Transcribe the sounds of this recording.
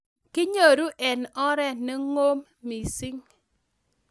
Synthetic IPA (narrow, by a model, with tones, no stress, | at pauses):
kɪ˦ɲo˨ɾu˦ʔɛ˨nɔ˦ɾɛ˦ne˦ŋo˦mːi˨si˦ŋ